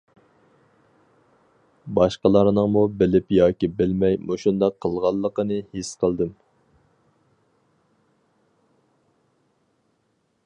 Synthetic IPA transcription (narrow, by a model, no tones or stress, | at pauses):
bɑʃqəlˠɑɾnɨŋmubɪlɪpjɑːkʲibɪlmɛjmoʃund̪ɑqʰːəlˠʁɑlˠːəqənɨhisqʰəlˠd̪ɨm